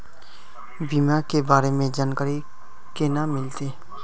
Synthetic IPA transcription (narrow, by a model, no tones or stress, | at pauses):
biːmakebaːɾemẽd͡ʒaːnkəɾi | kenamɪlt̪eː